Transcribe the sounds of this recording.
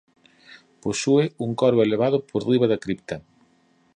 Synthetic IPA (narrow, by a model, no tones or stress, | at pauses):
posuɪuŋkɔɾβoeleβaðʊpʰoɾriβɐðɐkɾipt̪ɐ